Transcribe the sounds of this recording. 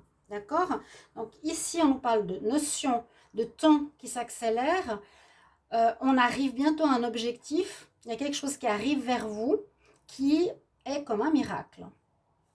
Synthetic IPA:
d̪akɔːʁd̪ɔ̃ːkisiɔ̃nupaʁld̪ənɔsjɔ̃ | d̪ət̪ɑ̃kʲisakselɛːʁ | øʔɔ̃naʁivbjɛ̃t̪oaɛ̃nɔbʒɛkt̪if | iljakɛlkə̥ʃozkʲiaʁivːɛʁvu | kʲʰi | ɛkɔmɛ̃miʁa̰klə

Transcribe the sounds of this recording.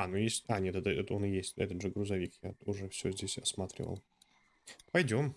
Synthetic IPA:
anujesʲtʲanʲet̪ɛt̪əɛt̪onɨjesʲtʲɛ̰t̪ət̪ʐɨɡɾʊzɐvʲikjaʊʐɛfsʲozʲdʲesʲɐsmat̪ɾʲɪ̰və̰lˠ | pɐjdʲo̞m

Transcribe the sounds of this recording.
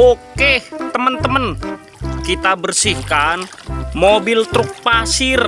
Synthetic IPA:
oket̪əmənt̪əmən | kit̪abərsihkan | mobilt̪ɾuk̚pasir

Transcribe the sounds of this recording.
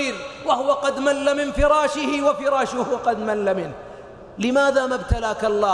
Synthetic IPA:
ɾwahʊwaqɑd̪malːamɪnfɪɾˤɑːʃɪhɪwafɪɾˤɑːʃʊhwqɑd̪malːamɪn | lɪmaːðaːmabt̪alaːkɑlˤːɑː

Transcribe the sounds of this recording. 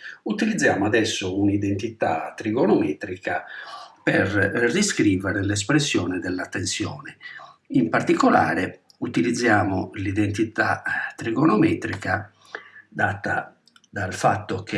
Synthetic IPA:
ut̪ilid̪zːjaːmoad̪ɛsːounid̪ɛnt̪it̪a̰t̪ːɾiɣɔnɔmɛːt̪ɾikapɛrriskɾiːvɛɾɛlɛs̬pɾesːjɔːnɛd̪ɛlːat̪ːensjɔːnɛ | impaɾt̪ikɔla̰ːɾe | ut̪ilid̪zːjaːmolid̪ɛnt̪it̪a̰t̪ːɾiɡɔnɔmɛːt̪ɾika | d̪aːt̪a̰ | d̪alfa̰t̪ːokʰe

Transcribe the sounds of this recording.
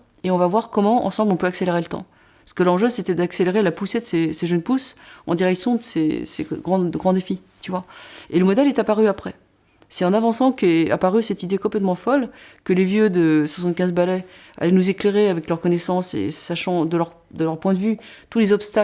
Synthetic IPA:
eɔ̃vavwaʁkɔmɑ̃ʔɑ̰̃sɑ̃blɔ̃pøakseleʁelət̪ɑ̰̃ | sə̥kəlɑ̃ʒøset̪ɛd̪akseleʁelapused̪əseseʒənpusɑ̰̃d̪iʁɛksjɔ̃d̪əseseɡʁɑ̃ɡʁɑ̃d̪efi | t̪yvwaeləmɔd̪ɛlɛt̪apaʁyapχɛ | sɛt̪ɑ̃navɑ̃sɑ̃kʲɛa̰paʁysɛt̪id̪ekɔ̃plɛt̪mɑ̃fɔlkəlevjød̪əswasɑ̃t̪̚kʲɛ̃zbalɛ | a̰lɛnuzekleʁeavɛklœʁkɔnɛsɑ̃sḛsaʃɑ̃d̪əlœʁ | d̪əlœʁpwɛ̃d̪əvyt̪ulezɔpst̪a

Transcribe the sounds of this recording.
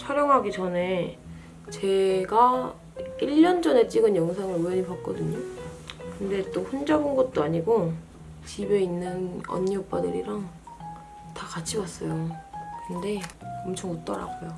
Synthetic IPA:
t͡ɕʰʌɾjʌŋɦaɡit͡ɕʌne̞ | t͡ɕe̞ɡa | iʎːʌnd͡ʑʌne̞t͡ɕ͈iɡɯnjʌŋs̬ʰaŋɯɭujʌɲipak̚k͈ʌdɯɲokɯnde̞t͈oɸund͡ʑʌbɯnɡʌt̚t͈oaɲiɡo | t͡ɕibe̞inːɯnʌ̰ɲːiʌp͈adɯɾiɾaŋ | takat͡ɕʰiwas͈ʌjokɯnde̞ʌmt͡ɕʰʌŋʌt͈ʌɾa̰ɡojo

